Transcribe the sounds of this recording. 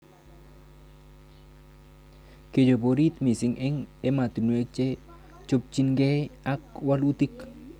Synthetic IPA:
ke˨d͡ʒo˨bo˨ɾi˦t̪mi˨si˨˦ŋʔɛ˦ŋe˦ma˨t̪u˨nwe˦k̚t͡ʃe˦ | t͡ʃo˦p̚t͡ʃi˦nɡe˦a˦kwa˦lu˦t̪i˦k

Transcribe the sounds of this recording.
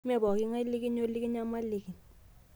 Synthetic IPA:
mɛ˦˨bɔ˨k̬i˦ŋa˦li˦k̬i˦n˦o˦li˦k̬i˦n˦a˦ma˦li˨k̬i˨

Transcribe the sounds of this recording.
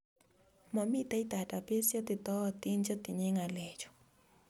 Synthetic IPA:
mɔ˨mi˦t̪a˦i˦t̪a˨ta˨pe˦sjɔ˦t̪ɪ˨t̪ɔ˦ɔ˨t̪i˦nd͡ʒɔ˦t̪ɪ˨ɲɛ˦ŋa˨lɛ˨d͡ʒɔ̥˨

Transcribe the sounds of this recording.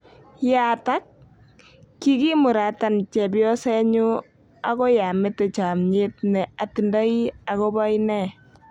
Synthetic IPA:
ja˨ta˦k̚ː | i˦ki˦mu˨ɾa˨ta˨nt͡ʃɛ˨bjɔ˦sɛ˦ɲu˦ | a˦ko˦ja˨me˦te˨t͡ʃa˨mɲe˦t̚nɛ˨a˨ti˨nda˦i˦a˨ko˦ba˦i˦nɛ˦˨

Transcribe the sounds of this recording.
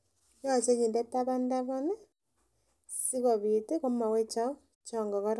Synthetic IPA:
jɔ˦˨t͡ʃe˦ɲi˨nde˦ta˦βa˦nda˦βɔ˦na˦ | si˦ɣɔ˨βi˨te˦ɣo˦ma˨we˦t͡ʃa˦u˦ | t͡ʃɔː˨ŋɡɔ˨ɣɔ˦ɾ

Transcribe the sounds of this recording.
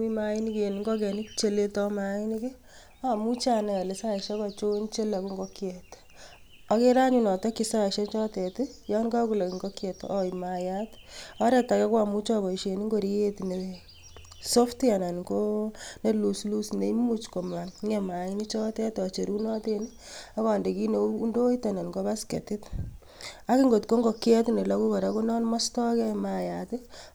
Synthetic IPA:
mi˦mai˦ni˦ke˨niŋɡo˦k̬ɛ˨ni˦kt͡ʃe˦le˦tɔmai˦ni˦kɪ˦ | a˨mu˦t͡ʃa˦na˨le˨sa˦ʃɔ˦kɔt͡ʃo˦nt͡ʃe˦la˨ku˦ŋɡokjɛt | ɔke˦ɾa˦ɲunɔ˨tɔ˦ki˦sa˦ʃɛ˦nt͡ʃɔ˦tɛti˦jɔ˦nka˦ku˨la˨ki˨ŋɡokjɛ˨tɔimajatɔ˦ɾɛ˦ta˨kɛ˦kwamu˦t͡ʃɔ˦bɔ˨i˨ʃe˨ni˦ŋɡo˦ɾi˦je˦tine˨ | so˦fta˨na˨nko˦ne˦lu˨slu˦sne˦imu˦t͡ʃko˨ma˨nŋɛma˨ini˦t͡ʃɔ˦tɛ˦tɔt͡ʃe˨ɾu˦nɔ˦teni | a˦kɔ˨nde˨ki˦ne˨˦u˦ndo˦ita˨na˨nko˦βa˦skḛ˨ti˦t | a˦ki˦ŋɡo˨tko˦ŋɡo˨kjɛ˦tne˨laku˦ka˨ɾaku˦nɔ˦nmɔ˦stɔ˦kɛ˦majat

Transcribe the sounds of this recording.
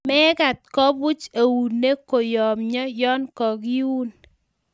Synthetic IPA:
mɛ˦ka˨t̪̚kɔ˦bʊ˦t͡ʃa˨wu˨nːe˦ko˨jɔ˨mɲɔ˦jɔ˦nkɔ˨ɡi˦wu˦n

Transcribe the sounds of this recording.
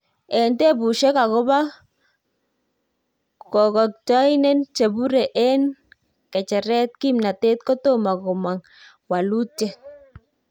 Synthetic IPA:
ɛ˨nte˦bu˨ʃɛ˦ka˨kɔ˦ba˦ | kɔ˨kɔ˨k̚t͡ʃɔ˦jnɛ˦nt͡ʃe˨bu˦ɾɛ˨ʔɛ˦n | kɛ˨t͡ʃɛ˨ɾɛ˦t̪̚ki˦mna˨t̪e˦t̪̚kɔ˦t̪o˦ma˨kɔ˨ma˨ŋ | wa˨lu˦tɛ˨

